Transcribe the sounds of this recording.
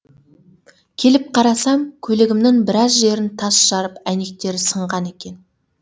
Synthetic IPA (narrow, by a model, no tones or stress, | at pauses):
kʲʰe̞lɪp̚qʰɑɾɑsɑmkʲʰɵlɪɡʲɪmnɪŋbɪɾɑzʒe̞ɾɪnt̪ʰɑsʃɑɾəpæne̞k̚t̪e̞ɾɪsəɴʁɑne̞kʲe̞n